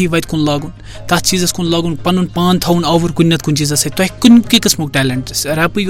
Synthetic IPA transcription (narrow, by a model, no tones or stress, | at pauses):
iʋɐjt̪kunlaːɡun | t̪ɐst͡ʃiːzɐskunlaːɡunpɐnunpaːnt̪ʰɐunɐʋuɾkunʲːɐt̪kunʲt͡ʃiːzɐsɐt̪oɦikːunʲkikɨsmukʈɛːleɳʈsɾɛːpɨj